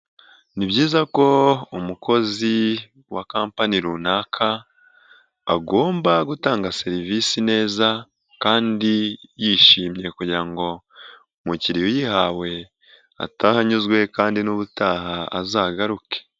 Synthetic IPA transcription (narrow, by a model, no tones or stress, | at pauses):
nibɟiːzako̞umukʰo̞zi | wakaːmpaniɾuːnaːkʰa | ɡo̞ːmbaɡutaːŋɡase̞ɾivisine̞ːza | kaːndijiʃiːmɲe̞kuɟiɾaŋɡo̞ | muciɾijojihawe̞ | a̰tahaɲuzɡwe̞kaːndinuβutaɦaa̰zaːɡaɾuke̥